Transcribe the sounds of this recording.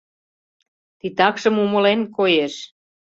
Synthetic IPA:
t̪it̪ɑkʃə̆mumɤ̆lenkojeʃ

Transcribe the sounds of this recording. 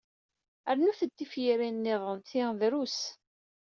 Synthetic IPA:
əɾnuθət̪ːifjiɾinːɪðˤənt̪iðɾus

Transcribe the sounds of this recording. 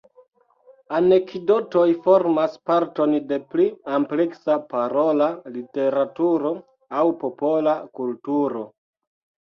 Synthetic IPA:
ane̞kdo̞to̞jfo̞ɾmaspaɾto̞nde̞pliampleksapaɾo̞lalite̞ɾatuɾo̞ | awpopo̞lakultuɾo̞

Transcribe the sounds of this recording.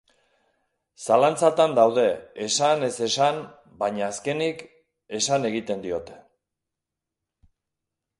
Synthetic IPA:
salant͡sat̪and̪awðe̞ːsane̞se̞san | baɲaːske̞nik | e̞sane̞ɣ̞it̪e̞nd̪io̞t̪e̞̥

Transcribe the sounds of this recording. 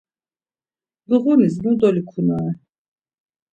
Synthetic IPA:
bəʁuniz̬mud̪ɔlikʰunaɛ

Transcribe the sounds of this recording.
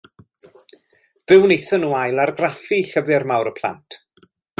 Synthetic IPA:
vɪwnejθɔnuːajlˠarɡrafiɬəvɪrmawɾəpʰlˠa̰ntʰ

